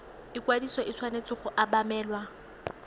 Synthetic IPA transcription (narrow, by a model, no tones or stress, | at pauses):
ɪkwadisɔʔɪt͡sʰwanet͡sɪχʊʔabamɛːlwa